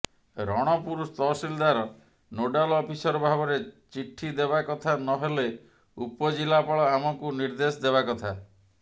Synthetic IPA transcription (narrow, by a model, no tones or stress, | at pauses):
ɾɔɽ̃ɔpuɾust̪ɔsild̪aɾɔ | noɖalɔpʰisɔɾɔbʱabɔɾet͡ʃiʈʰid̪ebakɔt̪ʰanɔɦele | upɔd͡ʒilapaɭɔamɔkuniɾd̪esɔd̪eβakɔt̪ʰa